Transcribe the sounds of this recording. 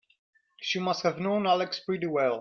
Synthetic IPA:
ʃimʌsthəvnõʊ̃nælɛkspɹɪɾiwɛlˠ

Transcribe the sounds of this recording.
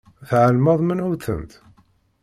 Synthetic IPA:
θʕəlməðˤmənuθə̰nt̪

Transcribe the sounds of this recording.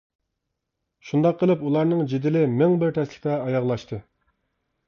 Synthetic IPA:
ʃund̪ɑqʰːəlˠɨpulˠɑɾnɨŋd͡ʒid̪ɪlɪmɪŋbɪɾt̪ʰɛslɪχt̪ɛɑjɑʁlˠɑʃt̪ʰɨ

